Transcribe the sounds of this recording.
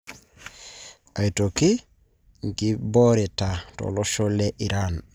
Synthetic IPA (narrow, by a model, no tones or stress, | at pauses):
ajitoki | ŋkiboɾitato̰loʃoleʔiɾan